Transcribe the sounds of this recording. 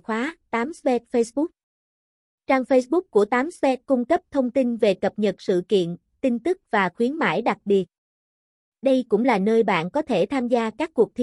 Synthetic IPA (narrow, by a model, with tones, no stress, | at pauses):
xwaː˨˦t̪aː˨˦mspɛ˨˦˥t̚fə˧jsɓʊ˦˥k̚ | t͡ɕaː˧ŋfə˧jsɓʊ˦˥k̚kːu˧˩ət̪aː˨˦mspɛ˦˥t̚kʊ˧ŋ͡mkə˦˥p̚t̪ʰə˧wŋ͡mt̪i˧nve˨˩kə˨˩p̚ɲə˨˩t̚sɨ̰˧˨kḭ˧˨ən | t̪i˧nt̪ɨ˦˥k̚vaː˨˩xwi˨˦ənma̰ː˧˩jɗa˨˩k̚ɓi˨˩ət̚ | ɗə˧jkʊ̰˧˥ŋ͡mlaː˨˩nəː˧jɓa̰ː˧˨nkɔ˨˦t̪ʰe˧˩t̪ʰaː˧mzaː˧kaː˦˥kːu˨˩ək̚t̪ʰi˨